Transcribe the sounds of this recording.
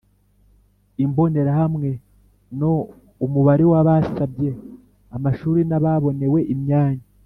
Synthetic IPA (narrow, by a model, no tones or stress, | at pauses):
imbo̞ne̞ɾahamŋe̞ | no̞ | umuβaɾiwaβasabje | amaʃuːɾinaβaβo̞ne̞we̞ʔimɲaːɲa